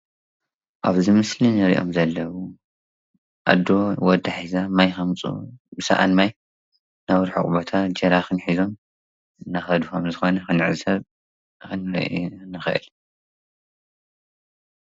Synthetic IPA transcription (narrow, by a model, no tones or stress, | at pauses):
ʔaβzɨmɨslinɐɾiʔo̞̰mzɐlːɐwu | ʔa̰d̪ːowɔd̪ːaħizamajxɐmt͡sʼṵbɨsɐ̰ʔa̰nmaj | nawɾħṵkʼbot̪ʰad͡ʒɐɾaxɨnħizo̞m | ɨnaxɐd̪uxɐmzɨxo̞nɐxɨnɨʕzɨsɐβ | xɨnɾɐ̰naxɨʔɨ̰l